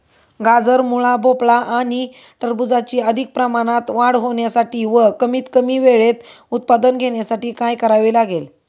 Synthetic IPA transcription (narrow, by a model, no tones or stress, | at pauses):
ɡad͡zəɾmuɭabopɭaʔaɽ̃i | ʈəɾbud͡zat͡ɕiːəd̪ʱik̚pɾəmaɽ̃at̪ʋaɽɦoɳjasaʈiːʋəkəmiːt̪kəmiːʋeɭet̪ | ut̪̚pad̪ənɡʱeɳjasaʈiːkajkəɾaʋilaɡel